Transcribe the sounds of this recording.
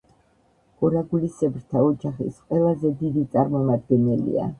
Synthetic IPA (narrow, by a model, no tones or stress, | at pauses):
ɡ̥ɔɾaɡulisɛbɾt̪ʰaɔd͡ʒaχḭsqʼwɛlˠazɛd̪id̪it̪sʼaɾmɔmad̪ɡɛnɛlḭa̰